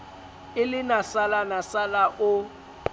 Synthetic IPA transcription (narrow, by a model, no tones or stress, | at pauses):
ɪlɪnasalanasalaʔʊ